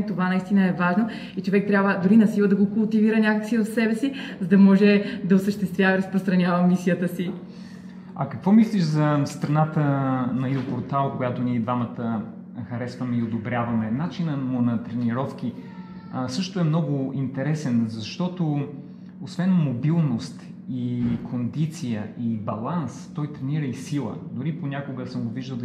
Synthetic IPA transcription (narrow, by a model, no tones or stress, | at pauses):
t̪ovanɐist̪inəɛvaʒno | it͡ʃovɛk̚t̪ɾʲabvəd̪ʊɾinɐsilˠəd̪ɐɡokʊlˠt̪iviɾənʲakəksivəfsɛbɛsizɐd̪ɐmɔʒɛd̪ɐosəʃt̪ɛst̪vʲjavəɾɐspɾost̪ɾɐnʲavəmisijət̪əsi | ɐ̰kɐkvɔmisliʃzɐst̪ɾɐnat̪ənɐilˠpoɾt̪alˠkojat̪oniɛd̪vamət̪ə | xɐɾɛsvɐmɛiod̪obɾʲjavɐmɛnat͡ʃinəmʊnɐt̪ɾɛniɾɔfk̟i | sɤʃt̪ʊɛmnɔɡʊint̪ɛɾɛsɛnzɐʃt̪ɔt̪o | osvɛnmobilˠnost̪ | ikʰond̪it̪sijəʔibɐlˠanst̪ɔjt̪ɾɛniɾəisilˠə̰d̪ʊɾiponʲakoɡəsəmɡoviʒd̪əlˠ